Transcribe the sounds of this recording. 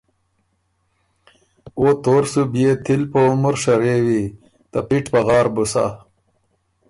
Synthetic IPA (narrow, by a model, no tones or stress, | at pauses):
ot̪oːɾsubijet̪ʰilpoumuɾʂɐɾewi | t̪apiʈpɐɣɑːɾbusa̰